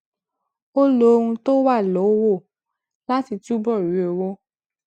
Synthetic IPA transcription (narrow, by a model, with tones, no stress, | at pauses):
o˦lo˨˦˧ɾũ˧to˦wa˦˨lɔ˨˦wo˦˨ | la˦ti˦˨tu˦bɔ˦˨u˨˦o˨wo˦